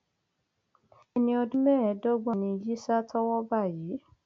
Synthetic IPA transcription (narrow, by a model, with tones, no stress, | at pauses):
ɛ˧nĩ˧ɔ˧dũ˦mɛ̃˦ɛ˨˦dɔ˦ɡ͡bɔ̃˦˨nĩ˧ji˦sa˦tʰɔ˦wɔ˦ba˦˨jiː˨˦